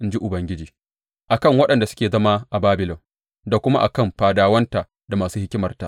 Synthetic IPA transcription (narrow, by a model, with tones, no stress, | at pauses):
ʔɪ˦nd͡ʒi˦ʔʊ˨bɐ˨ŋɡʲɪ˦d͡ʒiː˨ | ʔa˨kɐ˦˨ŋwɐ˦ɗɐ˨nda˨sʊ̥˦kʲeː˨zɐ˦ma˦ʔa˨baː˦bɪ˨lɔ˨m | da˨kʷʊ˦ma˦ʔa˨kɐ˦˨mɸaː˨daː˦wɐ˦nta˨ | da˨maː˨suː˦hɪ˦kʲɪ˦mɐ˨rta̰˨